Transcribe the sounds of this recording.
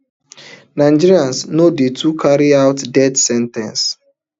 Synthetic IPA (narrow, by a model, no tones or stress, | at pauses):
nãɪ̃d͡ʒiɾiãnsnodetʰukʰaɹiaʊtdɛdsɛ̃ntɛ̃ns